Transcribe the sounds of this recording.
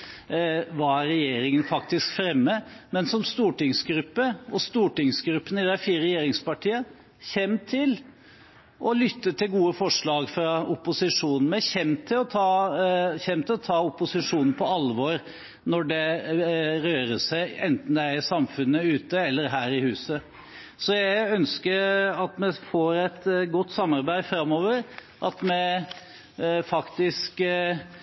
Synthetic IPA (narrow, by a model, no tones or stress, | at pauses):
ʋɑːæɾɾɛjeːɾɪŋənfɑk̚t̪ɪskfɾɛmːəmɛnsɔmst̪uːʈɪŋsɡɾʉpːəʔɔst̪uːʈɪŋsɡɾʉpːənɪd̪æfiːɾəɾɾɛjeːɾɪŋspɑʈʰiːə | çɛmt̪ʰɪl | ʔɔlʏt̪ːət̪ʰːɪɡuːəfɔʂɭɑːɡfɾɑʊpʊsɪʂuːnn̩mɛçɛmt̪ʰːɪlɔt̪ʰɑːçɛmt̪ʰɪlɔt̪ʰɑːʊpʊsɪʂuːnn̩pʰɔɑlʋɔɾ | nɔɖɛ | ɾøːɾəsæɪɛnt̪n̩d̪ɛæɾɪsɑmfʉnːəʉːt̪əɛlːəɾɦæːɾɪhʉːsə | sɔjæœnskəɾɑt̪mɛfoːɾɛt̪ɡɔt̪ːsɑmːɑɾbæɪd̪fɾɑmːoːʋəɾ | ʔɑt̪mɛ | fɑkt̪ɪsk